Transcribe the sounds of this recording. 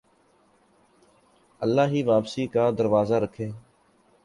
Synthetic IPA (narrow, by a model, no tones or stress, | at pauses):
əlːaːɦiːʋaːpsiːkaːd̪əɾʋaːzaːɾəkʰeː